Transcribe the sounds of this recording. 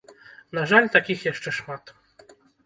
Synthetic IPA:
naʐalʲt̪akʲixjaʂt͡ʂɛʂmat̪

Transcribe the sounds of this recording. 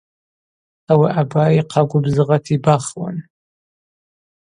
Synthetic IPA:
awiʔabaːiqʰaɡʷʊbzɨʁatʰibaχwa̰n

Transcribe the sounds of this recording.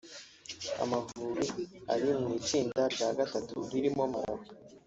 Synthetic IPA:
a̰mavuɾia̰ɾimŋiːt͡ʃiːndabɟaːɡatatṵβiɾimomaɾawi

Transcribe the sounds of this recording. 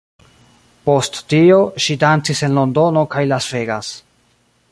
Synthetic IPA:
po̞stːio̞ʃidant͡sise̞nlo̞ndo̞no̞kajlasve̞ɡas

